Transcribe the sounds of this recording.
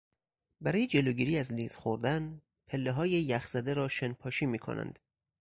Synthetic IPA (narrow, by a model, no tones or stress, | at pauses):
bæɾɒːjed͡ʒe̞loːɡiːɾiːæzliːz̥xoɾd̪æn | pʰelːeɦɒːjejæxz̥æd̪eɾɒːʃenpʰɒːʃiːmiːkʰo̰næ̰nd̪̥